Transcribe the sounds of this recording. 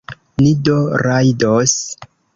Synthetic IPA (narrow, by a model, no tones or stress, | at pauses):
nidoɾajdos